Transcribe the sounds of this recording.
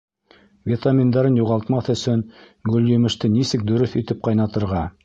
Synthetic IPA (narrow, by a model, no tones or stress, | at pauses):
vʲet̪amʲind̪ɑɾɤnjuʁɑlˠt̪mɑθɵ̆sɵn | ɡɵljɵ̆mɘ̆ʃt̪ɘnisɘk̚d̪ɵ̆ɾɵθit̪ɘp̚qɑjnɑt̪ɤ̆ɾʁɑ